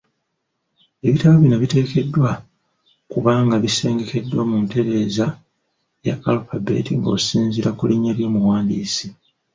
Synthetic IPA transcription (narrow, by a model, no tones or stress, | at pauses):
e̞βitaβoβinaβite̞ːke̞dːwa | kuβaːŋɡaβise̞ːŋɡe̞ke̞dːwamunte̞ɾe̞ːza | jakalupabe̞̰ːtiŋɡoːsiːnziɾakuliɲːeljoːmuwaːndiːsi